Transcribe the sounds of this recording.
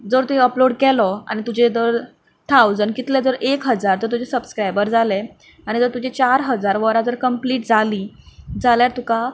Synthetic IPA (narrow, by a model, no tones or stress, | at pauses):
d͡zəɾt̪uĩəploɽkɛlɔa̰ñit̪ud͡ʑed͡zəɾ | t̪ʰawd͡zənkit̪led͡zəɾekɦəd͡zaɾt̪əɾt̪ud͡ʑesəbskɾajbəɾd͡zale | aɽ̃id͡zəɾt̪ud͡ʑet͡ɕaɾɦəd͡zaɾʋəɾad͡zəɾkəmpliːʈd͡zaliːd͡zaljaɾt̪uka